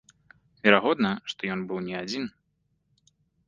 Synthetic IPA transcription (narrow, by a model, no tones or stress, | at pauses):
vʲɛɾaɣɔd̪nɐʂt̪ɔjɔnbɨwnʲɛad͡zʲin